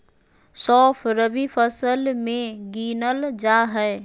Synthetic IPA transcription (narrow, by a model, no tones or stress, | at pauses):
sɔːfʰɾəbifʰəsəlmẽɡiːnəld͡ʒaːɦɛː